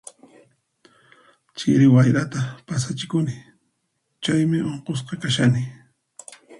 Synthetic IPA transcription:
t͡ʃɪ̰ɾɪwajɾat̪apas̬at͡ʃɪkʊnɪ | t͡ʃajmɪʔoɴqos̬qɑkaʃanɪ

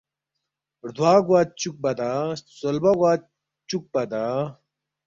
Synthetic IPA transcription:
ɾd̪ʱwaːɡwaːt̪̚t͡ɕuk̚bɐd̪asolbɐɡwaːt̪̚ | t͡ɕuk̚bɐd̪aː

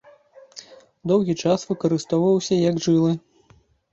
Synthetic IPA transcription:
d̪ɔwɣʲit͡ʂasvɨkɐɾɨst̪ɔwvɐwsʲɐjɐɡʐɨlˠɨ

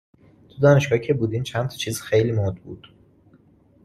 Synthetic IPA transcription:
t̪ʰud̪ɒːne̞ʃɡɒːhcʰebuːd̪int͡ʃʰænt̪ʰɒ̥t͡ʃʰiːzxejliːmod̪̚bṵːd̪̥

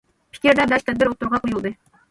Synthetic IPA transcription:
pʰʲi̥kʲeɾd̪æd̪æʃt̪æd̪̚bɘɾut̪ɤ̆ɾʁɑqujɤ̆lˠd̪ɤ

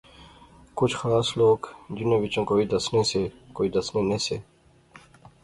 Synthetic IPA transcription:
kʊt͡ʃʰxlaːsloːɡd͡ʒinoʋit͡ʃɐ̃nkoːid̪ɐsnẽse | koːid̪ɐsnenese

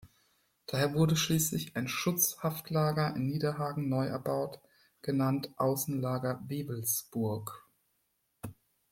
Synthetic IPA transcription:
d̥aːheːɐvʊɐdəʃliːslɪçaɪnʃʊt͡shaftʰlaːɡɐʔɪ̰nːiːdɐɦaːɡŋ̩nɔʏʔɛ̰ɐbaʊt | ɡ̥ənantʔaʊsn̩laːɡɐveːbl̩sb̥ʊɐk

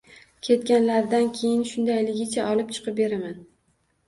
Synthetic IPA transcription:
kʲʰe̞t̪kʲanlaɾd̪ankʲʰe̞jɪnʃʊnd̪ajlɪɡʲɪt͡ʃʰaʔɒlˠɪp̚t͡ʃʰɨ̥qʰɨp̚be̞ɾaman

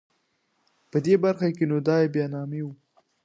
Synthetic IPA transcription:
pəd̪ebaɾxakenod̪ɑjebjɑnɑmewu

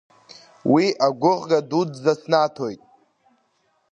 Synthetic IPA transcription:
wiʔaɡʷʊʁɡadudzasnatʰojtʼ

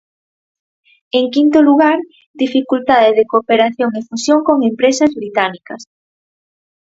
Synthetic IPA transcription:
eŋkint̪oluɣ̞aɾ | d̪ifikult̪aðɪðekopeɾaθjoŋefusjoŋkoŋempɾesɐzβɾit̪anikɐs

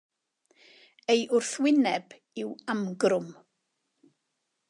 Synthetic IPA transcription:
ejʔʊrθwɪnɛb̥ | ɪwamɡrʊm

